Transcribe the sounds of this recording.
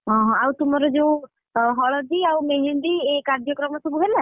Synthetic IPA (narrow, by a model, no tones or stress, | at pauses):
ɦɔ̃ɦɔ̃awt̪umɔɾɔd͡ʒew | ɦɔɭɔd̪iawmeɦiɳɖiekaɾd͡ʒɔkɾɔmɔsɔbuɦela